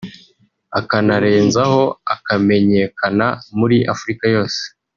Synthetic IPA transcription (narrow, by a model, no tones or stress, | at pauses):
akanaɾe̞ːnzaho̞akame̞ɲe̞kʰanamuɾiʔafuɾikajo̞ːse̥